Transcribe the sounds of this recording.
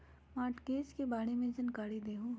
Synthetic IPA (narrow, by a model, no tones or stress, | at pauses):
maːʈkeːt͡ʃkebaːɽemẽd͡ʒɐnkaːɽid̪eːɦũ